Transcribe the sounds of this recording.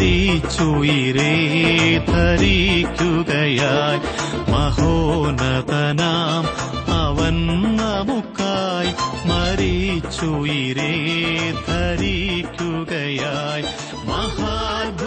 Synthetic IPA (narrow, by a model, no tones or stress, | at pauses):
it͡ʃujiɾe | d̪ʱɐɾikjukɐjaːj | mɐɦoːnɐt̪ɐnaːm | ɐʋɐnnɐmukːaːjmɐɾit͡ʃujiɾeːd̪ʱɐɾikjukɐjaːj | mɐɦaːbʱ